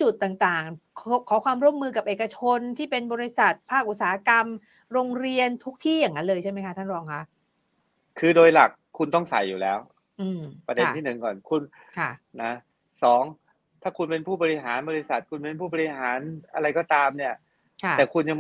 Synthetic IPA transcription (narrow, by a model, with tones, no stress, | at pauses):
t͡ɕu˨˩t̪̚ːaː˨˩ŋt̪aː˨˩ŋkʰkʰɔː˩˦˥kʰwaː˧mɾu˥˩əmːɯː˧ka˨˩p̚ʔeː˨˩ka˧t͡ɕʰo˧nt̪ʰiː˥˩pe˧nbɔː˧ɾi˦˥sa˨˩t̪̚pʰaː˥˩k̚ʔ̪̚saː˨˦ha˦˧˥ka˧m | ɾoː˧ŋɾi˧ənt̪ʰu˦˥k̚t̪ʰiː˥˩jaː˨˩ŋːa˦nlɤː˧jt͡ɕʰa˥˩jma˦˥jkʰa˦˥t̪ʰa˥˩nɾɔː˧ŋkʰa˦˥ʔ | kʰɯː˧doː˧jla˨˩kʰːu˧nt̪ɔ˥˩ŋsa̰˨˩jːuː˨˩lɛː˦˥w | ʔɯː˧pɾa˧de˧t̪ʰiː˥˩nɯ˨˩ŋkɔː˨˩nkʰu˧n | kʰa˥˩na˦˥ | sɔː˩˦ŋ | t̪ʰaː˥˩kʰu˧npe˧npʰuː˥˩bɔː˧ɾi˦˥ɦaː˩˦nbɔː˧ɾi˦˥sa˨˩t̪̚kʰu˧npe˧npʰuː˥˩bɔː˧ɾi˧˥ɦaː˩˦nʔa˧ɾa˧jkɔː˥˩t̪aː˧mni˥˩ɐ | kʰat̪ɛː˨˩kʰu˧nja˧ŋ